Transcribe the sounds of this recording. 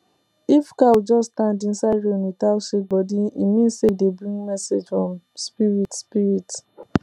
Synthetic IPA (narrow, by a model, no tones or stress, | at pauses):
ifkawd͡ʒɔstãndĩnsaɪɹomitalsibɔdiimĩnsedebɹĩŋɡmɛsed͡ʒfɹɔ̃m | spiɹitspiɹit